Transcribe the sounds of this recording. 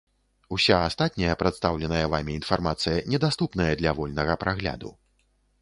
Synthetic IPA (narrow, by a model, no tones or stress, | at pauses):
usʲaast̪at̪̚ʲnʲɐjɐpɾat̪st̪awlʲɛnɐjɐvamʲiːn̪farmat̪sɨjɐnʲɛd̪ast̪upn̪ɐjɐd̪lʲɐvɔlʲnɐɣɐpɾaɣlʲa̰d̪ṵ